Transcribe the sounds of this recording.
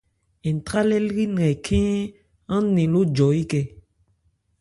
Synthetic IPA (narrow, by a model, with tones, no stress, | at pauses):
ɛ˨n˨t̪ɾa˦lɛ˦lɣi˦n˨ɛ̃˨kʰɛ̃˦ | ã˦nẽ˨lo˦d͡ʒɔ˨i˦kɛ˦